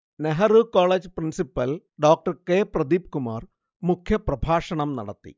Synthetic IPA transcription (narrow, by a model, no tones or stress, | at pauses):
neɦɐrɨkoːɭeːd͡ʑɨprinsipːɐl | ɖoːk̚ʈɐrkeːprɐd̪ipkumaːr | mukʰjɐprɐbʱaːʂɐɳɐmnɐ̰ɽɐt̪ːḭ